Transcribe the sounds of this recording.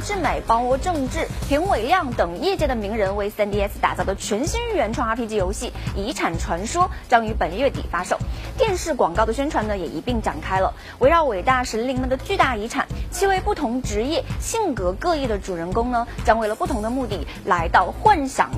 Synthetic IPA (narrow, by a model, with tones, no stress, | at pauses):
ʈ͡ʂɻ̩˥˩me˨˩ɪpɑ˥ŋwɔ˧˥ʈ͡ʂɤ˥˧ŋʈ͡ʂɻ̩˥˩pʰi˧˥ŋwe˨˩ɪljɑ˥˩ŋt̪ɤ˨˩ŋjɛ˥˧t͡ɕjɛ˥˩d̪ə˩mi˧˥ŋɻə˧˥nwe˥˩ɪsɛ˥nt̪i˥ɛ˥s̩˧t̪a̰˨˩t͡sɑ˥˩ʊd̪ə˩t͡ɕʰɥɛ˧˥nɕi˥ŋy˥˩ɥɛ˧˥nʈ͡ʂʰwɑ˥˧ŋa˧˥pʰi˧˥t͡ɕi˧˥˧jo˧˥ʊɕi˥˩i˧˥ʈ͡ʂʰa˨˩nʈ͡ʂʰwa˧˥nʂwɔ˥t͡ɕjɑ˥ŋy˧˥pə˨˩nɥɛ˥˩t̪ḭ˨˩fa˥ʂo˥˩ʊt̪jɛ˥˧nʂɻ̩˥˩kwɑ˨˩ŋkɑ˥˩ʊd̪ə˩ɕɥɛ˥nʈ͡ʂʰwa˧˥nə˧jɛ˨˩ʔi˧˥pi˥˩ŋʈ͡ʂa˨˩nkʰa˥ɪlə̰˨ | we˧˥ɪɻɑ˧˥˩ʊwe˨˩ɪt̪a˥˩ʂə˧˥nli˧˥ŋmə˧˨nd̪ə˩t͡ɕy˥˧t̪a˥˩i˧˥ʈ͡ʂʰa̰˨˩˦nt͡ɕʰi˥we˥˧ɪpu˥˩t̪ʰʊ˧˥ŋʈ͡ʂɻ̩˧˥jɛ˥˩ɕi˥˩ŋkɤ˧˥kɤ˥˧i˥˩d̪ə˩ʈ͡ʂu˨˩ɻə˧˥nkʊ˥ŋnə˨t͡ɕjɑ˥ŋwe˥˩ɪlə˩pu˥˩t̪ʰʊ˧˥ŋd̪ə˧mu˥˧t̪i˥˩ | la˧˥ɪt̪ɑ˥˧ʊxwa˥˩nɕjɑ̰˨˩˦ŋ